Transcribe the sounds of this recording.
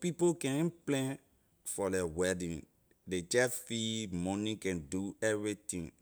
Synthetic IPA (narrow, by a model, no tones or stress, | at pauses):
pipokɛ̃nplɛ̃n | fɔdɛwɛdĩn | det͡ʃɛfimɔ̃nĩkɛ̃nduɛvɹitĩŋ